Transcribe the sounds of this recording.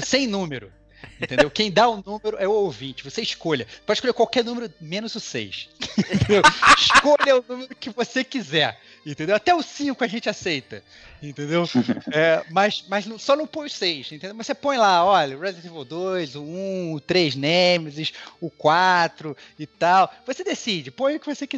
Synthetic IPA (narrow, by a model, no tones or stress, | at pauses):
sẽj̃nũmeɾʊ | ẽẽnd̪ewkẽj̃d̪aʊnũmeɾʊʔɛʊowvĩnt͡ʃɪvoseɪʃkoʎɐpɔd͡ʒɪʃkolekwawkɛɾnũmeɾʊmẽnʊzʊsḛjst̪t̪ẽd̪ewiʃkoʎɐʊnũmeɾʊkɪvosekizɛɾ | ẽt̪ẽd̪ewat̪ɛʊsĩkʊaʒẽnt͡ʃɪasejt̪ɐ | ẽnt̪ẽnd̪ewɛmɐsmɐznɐ̃sɔnɐ̃w̃põj̃ʊsejʃẽt̪ẽd̪eowmɐsepõj̃laɔʎɐʊɾelat̪ivewd̪ojzʊũʊt̪ɾejznẽmɪzɪʃʊkwat̪ɾʊɪt̪awvosed̪esid͡ʒɪpõj̃ʊkɪvosekiɛ